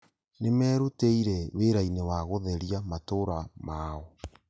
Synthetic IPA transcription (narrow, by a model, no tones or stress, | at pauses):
nemɛːɾoteiɾɛweɾainewaɣoðɛɾiamatoɾamaːɔ